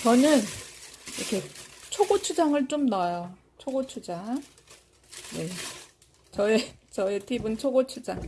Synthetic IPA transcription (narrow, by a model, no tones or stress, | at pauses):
t͡ɕʌnɯniɾʌkʰe̞t͡ɕʰoɡot͡ɕʰud͡ʑaŋɯɭt͡ɕ͈omnajo | t͡ɕʰoɡot͡ɕʰud͡ʑaŋ | ne̞ | t͡ɕʌet͡ɕʌetʰibɯnt͡ɕʰoɡot͡ɕʰud͡ʑaŋ